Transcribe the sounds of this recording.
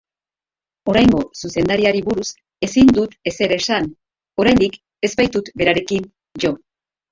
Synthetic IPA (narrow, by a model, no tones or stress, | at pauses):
o̞ɾajŋɡo̞suse̞nd̪aɾiaɾiβuɾus | e̞sind̪ut̪e̞se̞ɾesan | o̞ɾajnd̪ik | e̞zbajt̪ut̪be̞ɾaɾe̞kin | ʝo̞